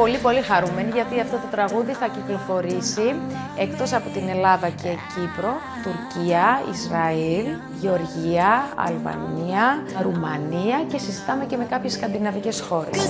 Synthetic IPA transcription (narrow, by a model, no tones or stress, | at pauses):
po̞lipo̞lixɐɾume̞niʝɐt̪iɐft̪o̞t̪o̞t̪ɾɐɣuðiθɐciklo̞fo̞ɾisi | ekt̪o̞sɐpo̞t̪ine̞lɐðɐce̞cipɾo̞ | t̪uɾciɐḭzɾɐil | ʝeo̞ɾʝiɐɐ̰lvɐ̰niɐɾumɐniɐce̞sizit̪ɐme̞ce̞me̞kɐpçe̞skɐnd̪inɐvice̞sxo̞ɾe̞s